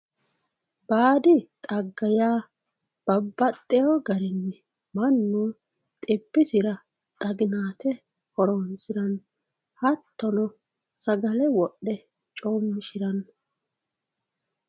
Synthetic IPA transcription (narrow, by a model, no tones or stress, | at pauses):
baːd̪ɪt̪ʼɐɡːɐjaː | b̥ɐbːɐt̪ʼːɛjoɡɐɾɪnːɛ | mɐnːuː | t̪ʼɪbːɪsɪɾɐ | t̪ʼɐɡɪnaːt̪ɛ | hɔɾoːnsɪɾɐn | hɐt̪ːɔnɔ | sɐɡɐlɛwɔɗːɛ | t͡ʃʼoːmːɪʃɪɾɐn